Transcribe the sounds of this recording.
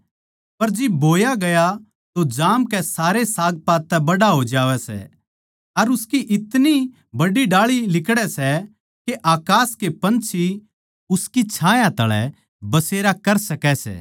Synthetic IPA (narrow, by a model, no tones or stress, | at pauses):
pɐɾd͡ʒɪbːʱoːjaɡɐja | t̪od͡ʒaːmkɛsaːɾesaːɡ̚paːt̪t̪ːɛbɐɽaɦoːd͡ʒaːʋɛsɛ̰ | ɐɾʊskiʔɪt̪ni | bɐɽiɖaːɭilɪkɽɛsɛ | keʔaːkaːskepɐ̃nt͡ʃʰi | ʊskit͡ʃʰãːjãt̪ɐ̰ɭɛ̰ | bɐseːɾakɐɾsɐkɛsɛ̰ː